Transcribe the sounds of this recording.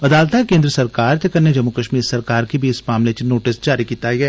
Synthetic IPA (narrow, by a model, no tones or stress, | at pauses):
ɐd̪aːlt̪akeːnd̪ɾəsɐɾkaːɾt̪ɐkɐɾned͡ʒɐmːukɐʃmiːɾsɐɾkaːɾkibʱiɪsmaːmlet͡ʃinoːʈɪsd͡ʒaːɾikiːt̪aiɦɛː